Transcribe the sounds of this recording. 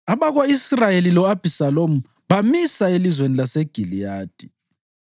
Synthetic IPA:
aβaɣoisrajelilɔab̥ʱisalomu | βamisaelizwenilaseɡ̥ʱilijaːd̥ʱi̥

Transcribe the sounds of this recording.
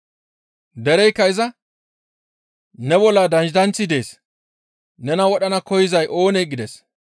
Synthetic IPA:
d̪ɛɾɛjkːɐɪzɐ | nɛbɔlːɐd̪ɐnd͡ʒɪd̪ɐnt͡sːɪd̪e̞ːs | nɛnɐwɔɗɐnɐkɔjɪzɐjʔo̞ːnejɡɪd̪ɛs

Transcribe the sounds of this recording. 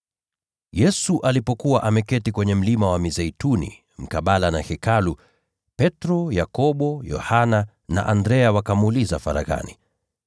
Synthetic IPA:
jɛsuʔalipɔkuwaʔamɛkɛtikwɛɲɛm̩limawamizɛjtunḭ | m̩kaɓalanahɛkalu | pɛtɾɔjakɔɓɔjɔ̰hana | na̰ʔandɾɛawakamuːlizafa̰ɾa̰ɣa̰ni

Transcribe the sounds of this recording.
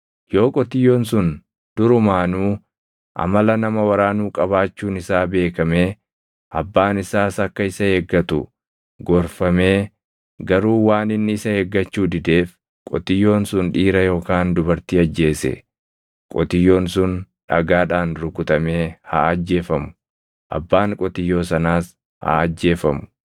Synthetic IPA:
jo̞ːkʼɔt̪ɪjːo̞ːnsʊn | d̪̥ʊɾʊmaːnuː | ʔɐ̰mɐlɐnɐmɐwɐɾaːnuːkʼɐβaːt͡ʃːuːnɪsaːbe̞ːkɐme̞ː | ʔɐbːaːnɪsaːsɐkːɐɪsɐheːɡːɐt̪ʊ̰ | ɡɔɾfɐme̞ː | ɡɐɾuːwaːnɪnːɪɪsɐheːɡːɐt͡ʃːuːd̪ɪd̪e̞ːf | kʼɔ̰t̪ɪjːo̞ːnsʊnᶑiːɾɐjo̞ːkaːnd̪ʊbɐɾt̪iɐd͡ʒːe̞ːsɛ̰ | kʼɔt̪ɪjːo̞ːnsʊnᶑɐɡaːᶑaːnɾʊkʊt̪ɐmeːha̰ːɐd͡ʒːe̞ːfɐmʊ̥ | ʔɐ̰bːaːŋkʼɔt̪ɪjːo̞ːsɐnaːs | ha̰ːɐd͡ʒːe̞ːfɐmʊ̥

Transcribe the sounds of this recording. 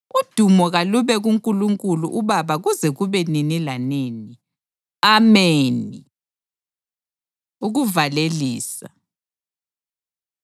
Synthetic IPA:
ud̥ʱumɔɣaluβɛɣuŋkʼuluŋkʼuluʔuβaβaɣuzɛɣuβɛninilaneːni | ameːni | uɣuvaleliːsa̰

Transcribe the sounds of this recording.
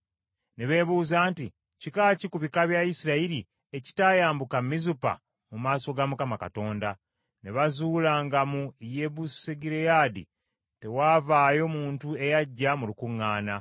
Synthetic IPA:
neβe̞ːβuːzaːnti | cikaːcikuβikaβjaisiɾaiɾi | e̞ci̥tajaːmbukamːizupa̰ | mumaːso̞ɡamukamaka̰to̞ːnda | ne̞βazuːlaːŋɡamuje̞βuseɡiɾejaːdḭ | te̞waːvaːjo̞muːntue̞jaɟːamulukuŋːaːna

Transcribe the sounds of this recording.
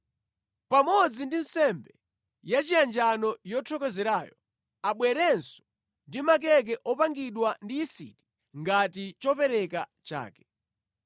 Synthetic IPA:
pamɔd͡zindinsɛmbɛ | jat͡ʃiand͡ʒanɔjɔtʰɔkɛzɛɾaːjɔ | aɓwɛɾɛnsɔ̥ | ndimak̬ɛk̬ɛʔɔpaŋɡiɗwandiːsḭti̥ | ŋɡatit͡ʃɔpɛɾɛkat͡ʃa̰ːkɛ̥

